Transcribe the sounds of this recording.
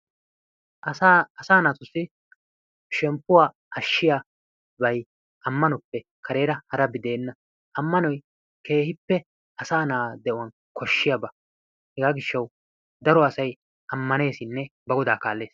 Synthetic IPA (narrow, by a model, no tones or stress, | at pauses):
ɐsaːnat̪ʊsːɪ | ʃɛmpːʊwaː | ɐʃːɪja | bɐj | ʔɐmːɐnɔpːɛ | kʰɐɾe̞ːɾɐhɐɾɐbɪd̪e̞ːnːɐ | ʔɐmːɐnɔj | ke̞ːhɪpːɛ | ɐsaːnaːd̪ɛʔʊwɐn | kɔʃːɪjabɐ | hɛɡaːɡɪʃːɐw | d̪ɐɾɔɐsɐj | ɐmːɐne̞ːsɪnːɛbɐɡɔd̪aːkaːlːe̞ːs